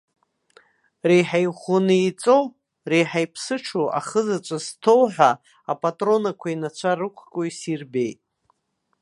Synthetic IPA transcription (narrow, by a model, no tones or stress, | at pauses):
rejħajχunɨit͡sʼow | rejħajpʰsɨʈ͡ʂʰoʔa̰χəzat͡ʃʷʼaztʰowħʷa | apʼatʼro̞nakʷʰainat͡ɕʷʰarɨkʷʰkʼoisirbe̞jtʼ